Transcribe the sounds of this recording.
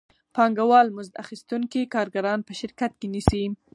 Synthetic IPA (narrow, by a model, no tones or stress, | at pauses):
pɑŋɡawɑlmʊzd̪a̰xist̪uŋkikɑɾɡaɾɑnpəʃɪɾkat̪̚kenisi